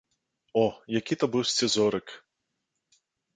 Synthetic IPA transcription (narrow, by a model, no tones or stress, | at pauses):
ɔjakʲit̪ɐbɨwsʲt͡sʲɛzɔɾɨk